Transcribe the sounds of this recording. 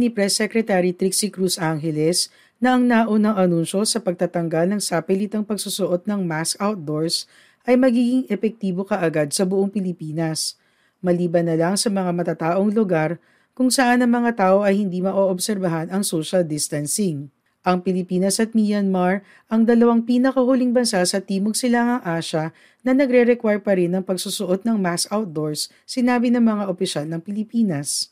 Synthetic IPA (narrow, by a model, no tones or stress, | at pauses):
nipɾɛsːɛkɾɛt̪aɾit̪ɾiksikɾusʔaŋɦɛlɛs | nɐʔɐŋnaːʔonɐŋʔɐnunʃo̞sɐpɐɡ̚t̪at̪ɐŋɡalnɐŋsaːpɛlit̪ɐŋpɐɡ̚susʊʔo̞t̪̚nɐŋmaskawt̪̚d̪o̞ɹs | ʔɐjmɐɡiːɡɪŋʔɛfɛk̚t̪iːbo̞kɐʔɐɡad̪̚sɐbʊʔoŋpɪlɪpiːnɐs | mɐliːbɐnːɐlɐŋsɐmɐŋamɐt̪at̪aːʔo̞ŋlʊɡaɾ | kʊŋsɐʔanɐŋmɐŋat̪aːʔo̞ʔɐjhɪnd̪imɐʔoʔobsɛɾbɐɦanɐŋsoʃɐld̪ɪst̪ɐnsɪŋ | ʔɐŋpɪlɪpiːnɐsɐt̪̚mijɐnmaɹ | ʔɐŋd̪ɐlɐwaŋpiːnɐkɐhʊliŋbɐnsasɐt̪iːmoɡ̚sɪlaŋɐŋʔaːʃɐ | nɐnɐɡɾɛɾɛkwaɹpɐɾɪnːɐŋpɐɡsusʊʔot̪̚nɐŋmaskawt̪̚d̪o̞ɹsː | ɪnaːbɪnɐŋmɐŋaʔopɪʃalnɐŋpɪlɪpiːnɐs